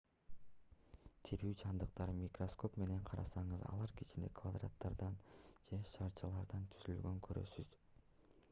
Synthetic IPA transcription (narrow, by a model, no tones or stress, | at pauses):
t̪ʰiɾyːt͡ʃʰɑnd̪ɯq̚t̪ɑɾɯmʲikro̞sko̞pme̞ne̞ɴqʰɑɾɑsɑɴɯzɑ̰lˠɑɾki̥t͡ʃind̪e̞̰kʰvad̪ra̰t̪ːɑɾd̪ɑnd͡ʒe̞ʃɑɾt͡ʃʰɑlˠɑɾd̪ɑnt̪ʰyzylɡø̞ŋkʰøɾø̞̰syz̥